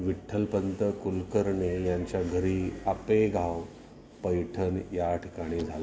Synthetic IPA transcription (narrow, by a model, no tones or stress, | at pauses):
ʋiʈʰːəlpənt̪əkulkəɾɳejãɲt͡ɕjaɡʱəɾiːapeɡʱaw | pəjʈʰənjaʈʰikaɽ̃id͡zʱala